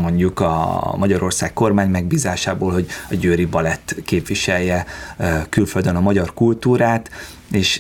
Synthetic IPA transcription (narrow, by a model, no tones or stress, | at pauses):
mo̞ɲɟukɒ̰mɒɟɒɾo̞rsaːkko̞rmaːɲmɛɡbiːzaːʃaːboːlɦo̞ɟɒɟøːɾibɒlɛt̪ːkeːpʋiʃɛljːɛ | kylføld̪ønɒmɒɟɒrkult̪uːɾaːt̪ | eːʃ